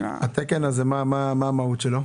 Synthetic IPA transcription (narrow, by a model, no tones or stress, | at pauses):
at̪ekenazemamamaːmaut̪ʃelo